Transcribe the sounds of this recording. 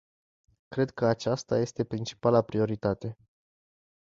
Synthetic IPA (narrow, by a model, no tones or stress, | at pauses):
kɾe̞d̪̚kəat͡ʃast̪aje̞st̪e̞pɾint͡ʃi̥palapɾio̞ɾit̪at̪e̞